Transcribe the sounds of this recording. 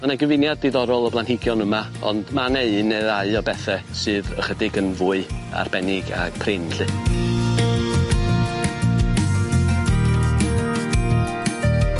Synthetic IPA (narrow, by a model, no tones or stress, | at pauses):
manaɡəvɪnjadiðɔɾɔlˠɔblˠanhɪɡjɔnəma | ɔ̰ndmaneɨneðaɨɔbɛθɛsɨːðəχədɪɡənvʊɨa̰rbɛnɪɡa̰ɡ̥pʰrɪnɬɨ